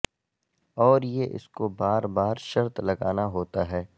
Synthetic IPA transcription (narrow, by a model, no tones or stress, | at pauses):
ɔːɾjeʔɪ̰skobaːɾbaːɾʃɐɾt̪lɐɡaːnaɦoːt̪aɦɛː